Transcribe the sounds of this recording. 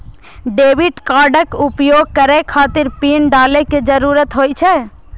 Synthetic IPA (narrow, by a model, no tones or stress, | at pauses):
ɖeːʋiʈkaɾɖəkupjoɡ̚kəɾekʰaːt̪ɪɾpinɖaːleked͡ʒəɾuɾət̪ɦojt͡ʃʰɛ